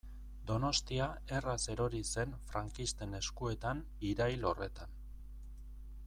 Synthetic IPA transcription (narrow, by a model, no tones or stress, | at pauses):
d̪o̞no̞st̪iae̞rase̞ɾo̞ɾise̞nfɾaŋkist̪e̞ne̞skue̞t̪an | iɾajlo̞re̞t̪an